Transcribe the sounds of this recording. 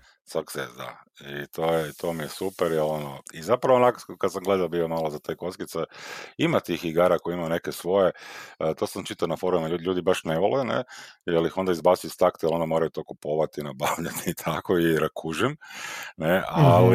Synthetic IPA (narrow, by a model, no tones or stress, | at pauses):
saksezd̪a̰it̪ʰoːjɛt̪ʰo̞mijesupeɾjelo̞noizapɾaʋonakkad̪samɡlˠed̪aobiːomalozat̪ejko̞skit̪saimat̪ixiɡaːɾakojiimajnekesʋo̞jet̪oːsamt͡ʃit̪anafoɾumauʎuːd̪ibaʃneʋolenḛjelixo̞nd̪aizbat̪iist̪akt̪jelˠond̪amoɾajut̪o̞ːkupo̞ːʋat̪inabaʋʎat̪iːt̪ʰakoiɾakʰuʒimneali